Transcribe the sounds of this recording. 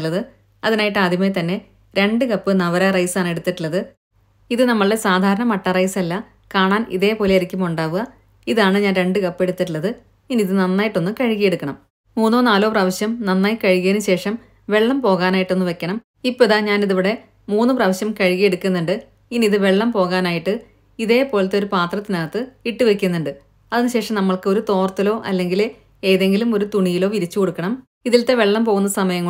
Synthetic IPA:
lːɐðɨ | ɐðinaːjiʈːɨad̪ʱimet̪ɐnːe̞ | ɾe̞ɳɖɨkɐpːɨnɐʋɐɾarɐjsaːɳe̞ɽut̪ːiʈːilːɐðɨ | iðɨnɐmːɐɭɨesaːd̪ʱaːɾɐɳɐmɐʈːɐrɐjsɐlːɐ | kaːɳaːnḭðe̞ːpo̞ːlejɐɾikʲːumuɳɖaːʋuɣɐ | iðaːɳɨɲaːnɾe̞ɳɖɨkɐpːe̞ɽut̪ːiʈːilːɐðɨ | inːiðɨnɐnːaːjiʈːo̞nːɨkɐɻiɣije̞ɽukːɐɳɐm | muːnːoːnaːlo̞ːprɐːʋɐɕjɐmnɐnːaːjkɐɻiɣiɐnɨɕe̞ːʂɐm | ʋe̞ɭːɐmpo̞ːɣaːnaːjiʈːo̞nːɨʋe̞kʲːɐɳɐm | ipːoðaːɲaːniðiʋiɽe̞ | muːnːɨprɐːʋɐɕjɐmkɐɻiɣije̞ɽukːunːuɳɖɨ | inːiðɨʋe̞ɭːɐmpo̞ːɣaːnaːjiʈːɨ | iðe̞ːpːo̞ːlɐt̪eo̞ɾupaːt̪rɐt̪ːinɐːɐt̪ːɨiʈːɨʋe̞kʲːunːuɳɖɨ | ɐðinɨɕe̞ːʂɐmnɐmːɐɭkɨo̞ɾut̪o̞ːrt̪ːilo̞ːʔɐ̰lːe̞ŋɡil | eːðe̞ŋɡilumo̞ɾut̪uɳijilo̞ːʋiɾit͡ɕːukoɽukːɐɳɐm | iðilt̪e̞ʋe̞ɭːɐmpo̞ːɣunːɐsɐmɐjɐŋː

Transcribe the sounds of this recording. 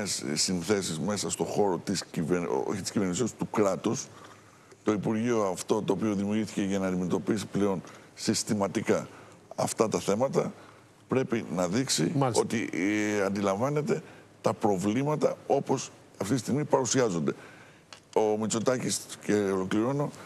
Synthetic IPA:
essinθe̞sizme̞sɐst̪o̞xo̞ɾo̞t̪iscivo̰çit̪i̥sciveɾnisist̪ukɾɐt̪us | t̪o̞ipuɾʝio̞ɐft̪o̞t̪o̞ːpio̞ðimiuɾjiθice̞ʝɐnɐːnd̪ime̞t̪o̞pisi̥ple̞o̞n | sist̪imɐt̪ikɐ | ɐ̰ft̪ɐt̪ɐθe̞mɐt̪ɐ | pɾe̞pinɐðiksio̞t̪iɐnd̪ilɐɱvɐne̞t̪e̞ | t̪ɐpɾo̞vlimɐt̪ɐo̞po̞s | ɐft̪it̪ist̪iɣmipɐɾusiɐzo̞nd̪e̞ | omit͡so̞t̪ɐcisceolo̞kliɾo̞no̞

